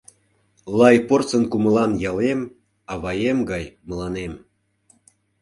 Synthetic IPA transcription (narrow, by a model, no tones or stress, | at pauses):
lˠɑjport͡sənkuməlɑnjɑlem | ɑβɑjemɡɑjmə̆lɑnem